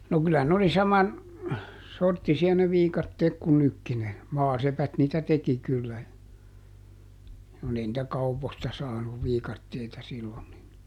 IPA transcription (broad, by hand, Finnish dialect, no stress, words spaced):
no kylæ n oli sɑmɑn sortːisiɑ ne ʋiːkɑtːeːk ku nykːi ne mɑːsepæt niːtæ teki kylːæ kun ei nĭtæ kɑupostɑ sɑːnuʋ ʋiːkɑtːeitɑ silːon nin